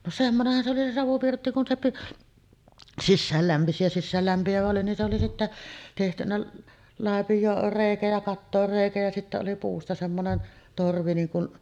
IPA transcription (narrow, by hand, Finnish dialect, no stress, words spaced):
no semːonehːɑn se oli se sɑʋupirtːi kun se piʔ sisːæːl læmpisi jɑ sisːæːlːæmpiæʋæ oli nin se oli sitːæ tehtynæ lɑˑepijˑoːr reˑikæ jɑ kɑtːoːr reˑikæ jɑ sitːæ oli puːstɑ semːonen torʋi niːn kun